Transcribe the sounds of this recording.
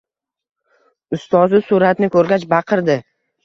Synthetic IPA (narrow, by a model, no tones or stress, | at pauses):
ʊst̪ɒzɪsuɾat̪nɪkʰɵɾɡʲat͡ʃbɑqʰɨɾd̪ɪ